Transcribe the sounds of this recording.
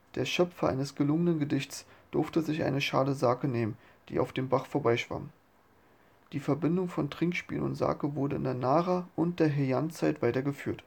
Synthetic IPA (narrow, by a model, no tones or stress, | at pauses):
d̥eːɐʃœpfɐʔa̰ɪnəsɡ̥əlʊŋənənɡədɪçt͡sd̥ʊɐftəzɪçʔa̰ɪnəʃaːləzaːkəneːmən | d̥ḭːʔa̰ʊfd̥eːmbaχfoːɐbaɪʃv̥a̰m | d̥iːfɛɐbɪndʊŋfɔntʁ̥ɪŋkʃpḭːlnʊ̰ntz̥a̰ːkəvʊɐdəɪ̰ndeːɐnaːʁaːʔʊnt̚d̥eːɐɦejant͡saɪtv̥aɪtɐɡəfyːɐt